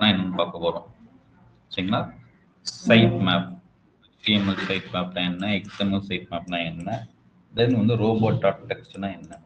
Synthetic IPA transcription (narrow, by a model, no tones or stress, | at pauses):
nãːɛnːɐnɐpaːkːɐpoːɾõː | sɐjɪŋɡɐlaː | sɐɪʈmaːp̚ | fiːɛmɐlsɐɪʈmaːpnãːɛnːɐɛksemɐlsɐɪʈ̚maːp̚nãːɛnːɐ | ɐðeːðʋɐnd̪ɯɾoːboːʈːaːʈ̚ʈːɛksʈnãːɛnːɐ